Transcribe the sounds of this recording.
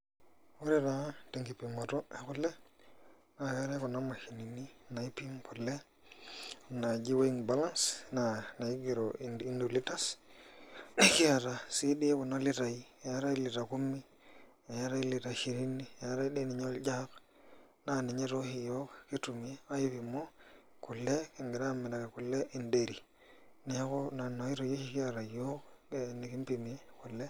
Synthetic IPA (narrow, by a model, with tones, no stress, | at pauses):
wo˦ɾi˦ɾa˨˦te˨ŋɡi˨pi˨ma˨to˦e˨ku˦le˦ | na˨ja˦ɾa˦ku˨na˦ma˨ʃi˨ni˨ni˦na˨i˦pi˦ŋpʰo˨le˦˨ | na˨d͡ʒi˦wo˦i˦ŋba˦la˦nsna˨na˨i˦ɡi˨ɾo˨i˦ndo˨li˦ta˦s | ki˦ja˨ɾa˨si˦ɗi˦e˦ku˨na˦li˦ɾa˨i˦˨ja˦ɾa˦i˦li˨ɾa˨ku˦mːi˦ | e˨ja˦ɾa˦i˦li˨ɾa˨ʃi˨ɾi˦ni˦˨ja˦ɾa˦i˦ɗe˦ni˨ɲo˦ld͡ʒa˦k | na˨ni˨ɲe˦ɾo˦hi˨jo˦kki˦tu˨mie˦a˦ji˦βi˨mo˦ | ku˨lːe˦ki˨ŋɡi˨ɾa˦˨me˨da˨ke˨ku˨lːe˦ʔi˨nde˨ɾi˨ | ne˨a˦ko˦na˨no˨i˦ɾo˨jo˦hi˦ki˦a˨ɾa˨jo˦kni˨ki˦mpi˨mi˨e˦ku˨le˦